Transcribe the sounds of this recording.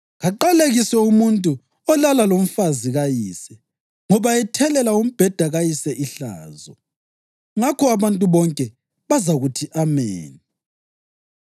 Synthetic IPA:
ɣaǃaleɣisɛumuntʼu | ɔlalalom̩faziɣajiːsɛ | ŋɔβaɛtʰɛlɛlaum̩b̥ʱɛd̥ʱaɣajisɛʔiɬa̰ːzɔ | ŋakʰɔaβantʼuβɔŋkʼɛ | βazaɣutʰiʔameːni

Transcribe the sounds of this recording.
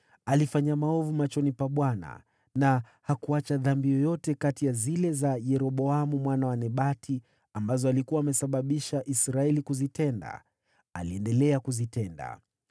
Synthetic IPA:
alifaɲamaɔvumat͡ʃɔnipaɓwana̰ | na | hakuat͡ʃaðambijɔjɔtɛkatijazilɛzajɛɾɔɓɔamumwanawanɛɓatʰi | ambazɔalikuwaːmɛsaɓaɓiʃaʔisɾaɛlikuzitɛnda̰ | aliɛndɛlɛakuzitɛnda̰

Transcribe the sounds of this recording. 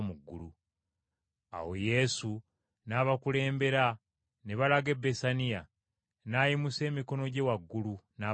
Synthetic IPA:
muɡːṵlu | a̰wo̞̰je̞su | naβakule̞ːmbe̞ɾa | ne̞βalaɡe̞besanija | naːjimuse̞ːmiko̞no̞ɟe̞waɡːuluna

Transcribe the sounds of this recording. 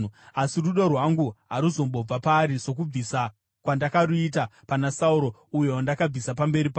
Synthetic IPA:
asiruɗorwaŋɡuɦaɾuzo̞mbo̞b͡vapaːɾiso̞k̬ub͡visa | kwandakaɾuitapanasauɾo̞uje̞wandakab͡visapambe̞ɾipaː

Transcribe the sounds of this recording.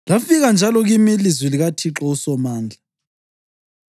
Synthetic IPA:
lafiɣand͡ʒʱalɔɣimilizwiliɣatʰiǁɔusɔmaːnd͡ɮʱa

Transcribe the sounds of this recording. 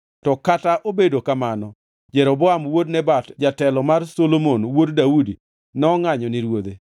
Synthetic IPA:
tɔkataʔobedokamanɔ | d͡ʒɛɾɔbɔamwodnɛbatd͡ʒatɛlɔmarsolomonwoddaudi | nɛɔŋaɲɔniɾwod̪e

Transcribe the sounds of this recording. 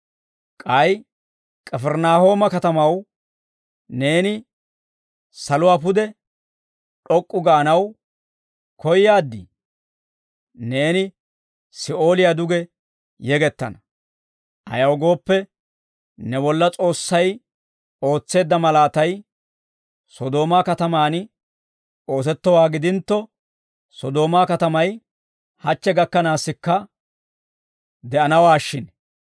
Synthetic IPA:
kʼɐj | kʼɛfɛɾnaːho̞ːmɐkɐt̪ɐmɐw | ne̞ːnɪ | sɐlʊwaːpʊd̪ɛ | ɗɔkʼːʊɡaːnɐw | kɔjːaːd̪ːḭ | ne̞ːnɪ | sɪʔo̞ːlɪjaːd̪ʊɡɛ | jɛɡɛt̪ːɐ̰nɐ | ʔɐ̰jɐwɡo̞ːpːɛ | nɛbɔlːɐt͡sʼo̞ːsːɐj | o̞ːt͡sːe̞ːd̪ːɐmɐlaːt̪ɐj | sɔd̪o̞ːmaːkɐt̪ɐmaːn | o̞ːs̬ɛt̪ːɔwaːɡɪd̪ɪnt̪ːɔ | sɔd̪o̞ːmaːkɐt̪ɐmɐj | hɐt͡ʃːɛɡɐkːɐnaːsːɪkːɐ | d̪ɛʔɐnɐwaːʃːɪn

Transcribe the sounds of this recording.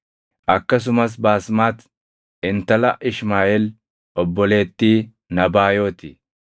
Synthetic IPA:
ʔɐkːɐs̬ʊmɐs̬baːsmaːt̪ | ɪnt̪ɐlɐʔɪʃmaːɛl | ʔɔbːɔle̞ːt̪ːiː | nɐbaːjo̞ːt̪ɪ

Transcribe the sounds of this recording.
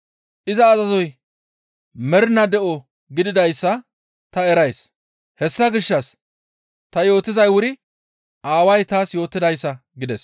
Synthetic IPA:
ʔɪzɐːzɐzɔj | mɛɾnɐd̪ɛʔɔ | ɡɪd̪ɪd̪ɐjsːɐ | t̪ɐɛɾɐjs | hɛsːɐɡɪʃːɐs | t̪ɐjo̞ːt̪ːɪzɐjwʊɾɪ | ʔaːwɐjt̪aːsjo̞ːt̪ːɪd̪ɐjsːɐɡɪd̪ɛs

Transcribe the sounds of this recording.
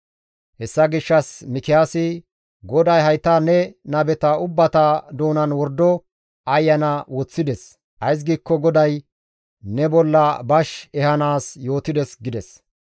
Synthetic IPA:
hɛsːɐɡɪʃːɐsmɪkɪjaːsɪ | ɡɔd̪ɐjɦɐjt̪ɐanɛnɐbɛt̪ɐʊbːɐt̪ɐd̪oːnɐnwɔɾd̪ɔ | ɐjːɐnɐwɔt͡sːɪd̪ɛs | ʔɐjs̬ɡiːkːɔɡɔd̪ɐj | nɛbɔlːɐbɐʃɛhɐnaːsjo̞ːt̪ɪd̪ɛsɡɪd̪ɛs

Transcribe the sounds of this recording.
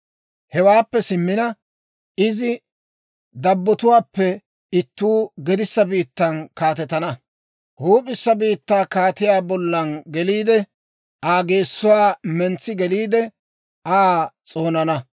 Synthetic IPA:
hɛwaːpːɛsɪmːɪnɐ | ʔɪzɪ | d̪ɐbːɔt̪ʊwaːpːɛ | ɪt̪ːuːɡɛd̪ɪsːɐbiːt̪ːɐnkaːt̪ɛt̪ːɐnɐ | huːpʼɪsːɐbiːt̪ːaːkaːt̪ɪjaːbɔlːɐnɡɛliːd̪ɛ | ʔaːɡe̞ːsːʊwaːmɛnt͡sːɪɡɛliːd̪ɛ | ʔaːt͡sʼo̞ːnɐnɐ

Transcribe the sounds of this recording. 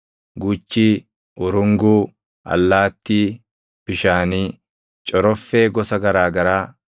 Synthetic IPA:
ɡut͡ʃːiː | ʔʊɾʊŋɡuː | ʔɐ̰lːaːt̪ːiː | b̥ɪʃaːniː | t͡ʃʼɔɾɔfːe̞ːɡɔsɐɡɐɾaːɡɐɾaː

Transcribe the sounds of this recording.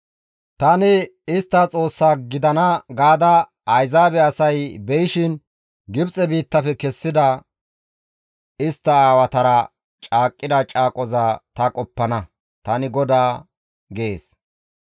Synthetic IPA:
t̪ɐnɪɪst̪ːɐt͡sʼo̞ːsːaːɡɪd̪ɐnɐɡaːd̪ɐ | ɐjzaːbɛɐsɐjbɛjɪʃɪn | ɡɪbt͡sʼɛbiːt̪ːɐfɛkɛsːɪd̪ɐ | ɪst̪ːɐaːwɐt̪ɐɾɐ | t͡ʃʼaːkʼːɪd̪ɐt͡ʃʼaːkʼɔzɐt̪ɐkʼɔpːɐnɐ | t̪ɐnɪɡɔd̪aː | ɡeːs

